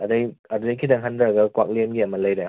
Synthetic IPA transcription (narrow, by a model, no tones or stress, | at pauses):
ɐdɐjɐdudɐjkʰidɐŋɦandɾɐɡɐkwak̚lenɡiɐmɐlɐjɾa